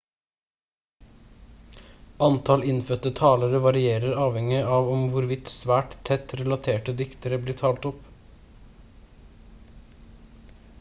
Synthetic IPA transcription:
ʔɑnt̪ʰɑlɪnfœt̪ət̪ʰɑːləɾəʋɑɾɪeːɾəɾɑːʋhɛŋɪɑːʋɔmʋʊɾʋɪt̪sʋæːʈt̪ʰɛt̪ɾɛlɑt̪ʰeːʈəd̪ɪkt̪əɾəbliːʈʰɑːlt̪ɔp

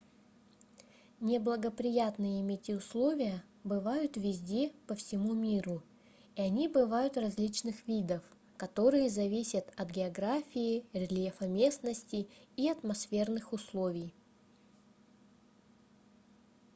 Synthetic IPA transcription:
nʲɪblˠəɡəpɾʲɪjat̪nɨjəɪmʲetʲɪʊslˠo̞vʲɪjə | bɨvajʊt̪vʲɪzʲdʲe̞pəfsʲɪmumʲiɾʊ | iɐnʲibɨvajʊt̪rɐzʲlʲit͡ɕnɨxvʲid̪əf | kɐt̪o̞ɾɨjəzɐvʲisʲət̪ɐt̪ɡʲɪɐɡɾafʲɪɪɾʲɪlʲjefɐmʲe̞snəsʲtʲɪːɐt̪mɐsfʲe̞rnɨxʊslˠo̞vʲɪj

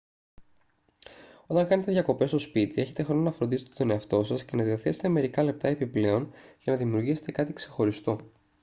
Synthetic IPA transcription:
o̞t̪ɐŋkɐne̞t̪eðʝɐko̞pe̞st̪o̞spit̪ie̞çe̞t̪e̞xɾo̞no̞nɐfɾo̞nd̪iset̪et̪o̞ne̞ɐft̪o̞sɐsce̞nɐðioθe̞set̪eme̞ɾikɐle̞p̚t̪ɐe̞piple̞o̞nʝɐnɐðimiuɾʝise̞̥t̪e̞kɐt̪ikse̞xo̞ɾist̪o̞

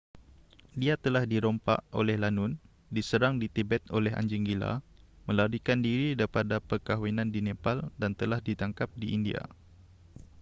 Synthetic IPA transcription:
diat̪əlahdiɾompa̰ʔo̰lɛhlanʊn | disəɾaŋdit̪ibɛt̪olɛɦa̰ɲd͡ʒiŋɡila̰mə̃laɾikandiɾidaɾipadapərkaɦwinãndinẽpaldant̪əlahdit̪aŋkap̚diʔindia̰

